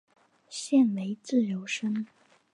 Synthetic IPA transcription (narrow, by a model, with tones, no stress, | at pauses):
ɕjɛ˥˩nme˧˥ɪt͡sɹ̩˥˩jo˧˥ʊʂə˥n